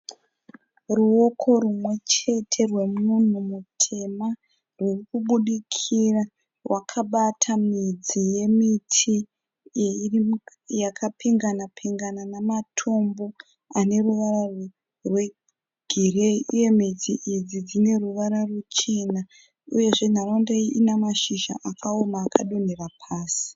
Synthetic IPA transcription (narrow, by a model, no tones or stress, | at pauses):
ruo̞kʰo̞rumwe̞t͡ʃe̞tʰe̞rwe̞mun̤umutʰe̞ma | rwirikuɓuɗikʰira | rwakʰaɓatʰamid͡zije̞mitʰi | r | jakʰapiŋɡanapʰiŋɡananamatʰo̞mbo̞ | ane̞ruʋaɾar | rwe | ɡ̥ʱire̞iʔuje̞mid͡ziʔid͡zid͡zine̞ruʋaɾarut͡ʃe̞na | uje̞ʐe̞n̤aɾondeiinamaʃiʒa̰ʔakʰaomaːkaɗo̞ne̞rapʰaːsi̥